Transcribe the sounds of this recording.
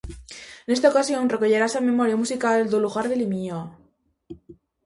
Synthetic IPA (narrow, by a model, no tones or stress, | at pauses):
ene̞st̪aokasjo̞nre̞koʝeɾasame̞mo̞ɾjamusikald̪oluxaɾðelimio